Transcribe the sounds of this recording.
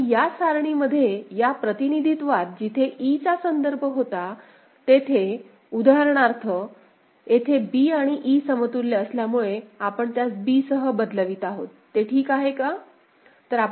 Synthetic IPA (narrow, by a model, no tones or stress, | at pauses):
ijasaɾɳiməd̪ʱːjejapɾət̪inid̪ʱit̪ʋat̪̚d͡ʑit̪ʰeʔit͡sasənd̪əɾbʱəɦot̪a | t̪et̪ʰe | ud̪ʱaɾɳ̃aɾt̪ʰə | et̪ʰebiaɽ̃iʔisəmət̪uɾleəsljamuɭeapəɳt̪jat͡sbiːsəɦəbəd̪ləʋiːt̪aɦo̰t̪ːeʈʰiːkaɦeka | t̪əɾa